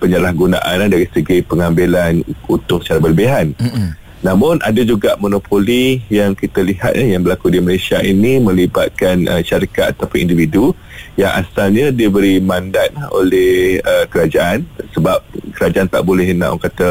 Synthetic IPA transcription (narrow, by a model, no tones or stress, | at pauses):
pəɲəlahɡuna̰ʔanadaɾisəɡipəŋambilanut̪ʊŋsət͡ʃaɾabəlbeɦan | nãmʊ̃nʔadad͡ʒuɡaʔmonopʰolijaŋkit̪aliɦa̰t̪̚ajaŋbəlakudiməlesiaʔinĩmə̃liba̰t̪̚kanʔəʃaɾikat̪̚at̪apʊnḭndividu | jaŋʔa̰salɲadiəbəɾimandat̪̚ao̰lɛhəkəɾad͡ʒaʔansəbap̚kəɾad͡ʒaʔant̪a̰ʔbolɛɦəna̰ʔɔ̰ŋkat̪ə